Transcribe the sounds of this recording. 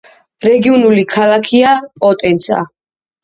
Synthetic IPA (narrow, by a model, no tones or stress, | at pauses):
ɾɛɡiɔnulikʰalakʰiapʼɔt̪ʼɛnsʰa̰